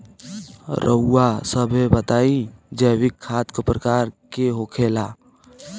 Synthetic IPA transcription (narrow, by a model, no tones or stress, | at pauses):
ɾʔə̰uːasəbʱebət̪aːĩd͡ʒəːwɪkʰːaːt̪kopɾəkaːɾkeɦoːkʰeːlaː